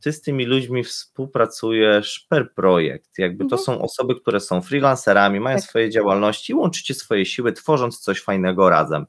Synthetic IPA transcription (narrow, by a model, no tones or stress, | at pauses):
t̪ɘst̪ɘmʲilud͡ʑmʲifspuwpɾat̪sujɛʂpɛɾpɾɔjɛ̰kt̪jaɡ̚bɘt̪ɔsɔ̃w̃ʔɔ̰sɔbɘk̚t̪uɾɛsɔ̃w̃fɾʲilansɛɾamʲimajɔ̃sfɔjɛd͡ʑawalnɔɕt͡ɕiːwɔnt͡ʂɘ̥t͡ɕɛsfɔjɛɕiwɘt̪fɔʐɔnt̪t̪sɔɕfajnɛɡɔɾa̰zɛ̰m